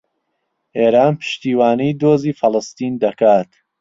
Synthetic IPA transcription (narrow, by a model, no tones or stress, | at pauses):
ʔeːɾaːnpʰɨ̥ʃt̪iːwaːnijd̪oːziːfɨlˠɨst̪iːnd̪ɐkaːt̪